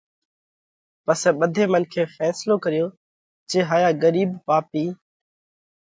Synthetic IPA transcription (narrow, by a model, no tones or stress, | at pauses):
pəseːɓəd̪ʱeːmənkʰeːfɛːsloːkəɾɪjoː | t͡ʃeːɦaːjaːɡəɾiːbpaːpiː